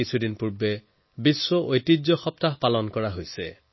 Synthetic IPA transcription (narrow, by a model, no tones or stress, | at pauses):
isʰudinpuɹbɛ | biswɔʔojtid͡ʒɔxɔp̚taɦpalɔnkɔɹaɦojsɛ̰